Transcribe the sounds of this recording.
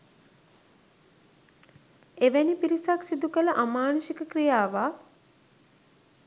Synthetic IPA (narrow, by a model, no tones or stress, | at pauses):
eʋænipiɾisaksid̪ukələʔamaːnosikəkrijaːʋa